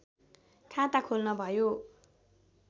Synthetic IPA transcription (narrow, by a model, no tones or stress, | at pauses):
kʰat̪akʰolnʌbʱʌjo